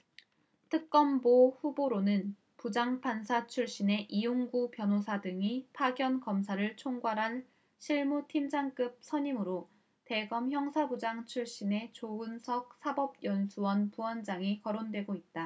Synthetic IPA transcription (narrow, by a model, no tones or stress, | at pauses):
tʰɯk̚k͈ʌmboɸuboɾonɯn | pud͡ʑaŋpʰansʰat͡ɕʰuɭɕ͈ine̞ʔijoŋɡupjʌnosʰadɯŋipʰaɡjʌnkʌmsʰaɾɯɭt͡ɕʰoŋɡwaɾɦan | ɕʰiɭmutʰimd͡ʑaŋk͈ɯp̚sʰʌɲimɯɾo | te̞ɡʌmçjʌŋsʰabud͡ʑaŋt͡ɕʰuɭɕ͈ine̞t͡ɕoɯnsʰʌk̚sʰabʌb̚jʌnsʰuwʌnpuwʌnd͡ʑaŋikʌɾondwe̞ɡoit̚t͈a